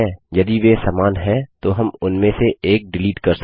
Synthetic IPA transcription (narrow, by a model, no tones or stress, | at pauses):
ɛjɐd̪iʋesaːmaːnɦɛ̃t̪oɦɐmʊnmẽseeːk̚ɖɪliːʈkɐɾs